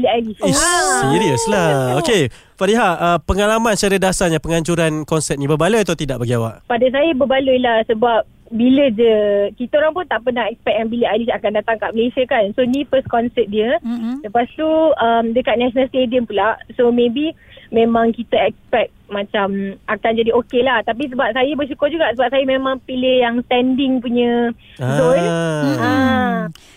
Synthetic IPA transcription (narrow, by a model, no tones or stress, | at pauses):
biləalisisiɾiəslaoke | faɾiɦaəpəŋalamãnsaɾədasaɲapəŋaɲd͡ʒuɾankɔnsɛt̚nĩbəbalujat̪awt̪idaʔbaɡiawa̰ʔpadas̬ajəbəbaluilahsəbap̚ | biləd͡ʒəkit̪aoɾaŋpunt̪aʔpənahɛk̚spɛk̚anbiləajlisakandat̪aŋkaʔməlesiəkansonĩfəskɔnsɛp̚diələpast̪uəmdəkat̪̚naʃonalst̪ediəmpulaʔsomẽbi | mẽmãŋkit̪əɛk̚spɛk̚t̪̚mãt͡ʃamakand͡ʒadiokelaht̪ap̬is̬əbap̚sajəbəsukʊrd͡ʒuɡaʔsəbap̚sajəmẽmãŋpilɪhjaŋst̪ɛndɪŋpuɲə̃ | zonə